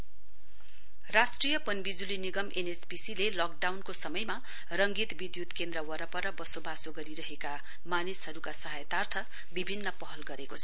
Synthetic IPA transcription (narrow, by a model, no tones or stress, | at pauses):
rasʈrijʌpʌnbid͡zuliniɡʌmʔenespisilelɔk̚ɖawnkosʌmʌjma | rʌŋɡit̪bid̪jut̪kend̪rʌwʌɾʌpʌɾʌbʌsobasoɡʌɾiɾʌɦeka | manisɦʌɾukasʌɦajt̪art̪ʰʌ | bibʱinːʌpʌɦʌlɡʌɾekot͡sʰʌ